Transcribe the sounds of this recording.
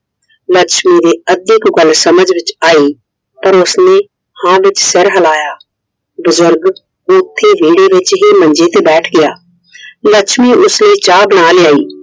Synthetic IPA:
ləkʃmiːd̪eːəd̪ɪkɡəlsəməd͡ʒʋɪt͡ʃaːiː | pəɾʊsneː | hãːʋɪt͡ʃsɪɾɦəlaːjaː | bʊzʊɾɡ | ʊt̪ʰːeːʋiːɽeːʋɪt͡ʃɦiːmə̃ɲd͡ʒeːt̪eːbɛːʈʰɡɪjaː | ləkʃmiːʔʊsləiːt͡ʃaːbəɽ̃aːlɪjaːḭː

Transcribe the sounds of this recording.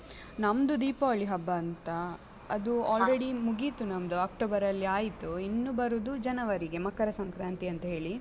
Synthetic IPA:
nɐmd̪ud̪iːpɐʋɐɭiɦɐbːɐːnt̪ɐ | ɐd̪uaːlɾeɽimuɡit̪unɐmd̪uaːk̚ʈoːbɐɾɐlːiaːjit̪uinːubɐɾud̪ud͡ʒɐnɐʋɐɾiɡe̞mɐkːɐɾɐsɐŋkɾaːnt̪iɐnt̪ɐɦe̞ːɭi

